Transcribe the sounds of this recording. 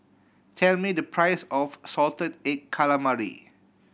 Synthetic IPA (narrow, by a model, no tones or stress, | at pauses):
tʰɛlmidəpʰɹajsɔfsɔltə̃dekkʰːalamaɹḭ